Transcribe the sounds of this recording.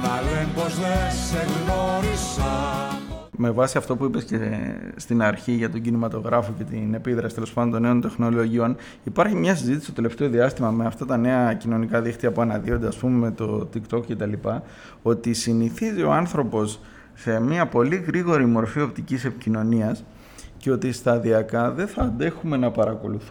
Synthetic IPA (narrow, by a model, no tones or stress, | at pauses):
ɐloembozðeseɣnoɾisɐ | me̞vɐsiɐft̪o̞puipe̞sce̞st̪inɐɾçiʝɐt̪o̞ɟinimɐt̪o̞ɣɾɐfo̞ce̞t̪ine̞piðɾɐsit̪elo̞spɐndont̪one̞o̞nt̪e̞xno̞lo̞ʝio̞n | ipɐɾçimɲɐsizit̪ist̪ot̪eleft̪e̞o̞ðiɐst̪imɐme̞ɐft̪ɐt̪ɐne̞ɐcino̞nikɐðixt̪iɐpuɐnɐðio̞nd̪e̞ɐspumeme̞t̪o̞t̪ikt̪o̞kce̞t̪ɐlipɐ | o̞t̪isiniθizio̞̰ɐnθɾo̞po̞s | se̞miɐpo̞liɣɾiɣo̞ɾimo̞ɾfio̞p̚t̪icise̞picino̞niɐs | ceo̞t̪ist̪ɐðiɐkɐðe̞θɐnd̪e̞xume̞nɐpɐɾɐko̞luθ